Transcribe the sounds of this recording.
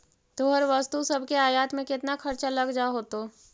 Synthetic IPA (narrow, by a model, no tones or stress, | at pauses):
t̪oːɦəɾʋəst̪usɐbʱkeaːjaːt̪mẽkɪt̪nakʰɐɾt͡ʃalɐɡd͡ʒaɦoːt̪oː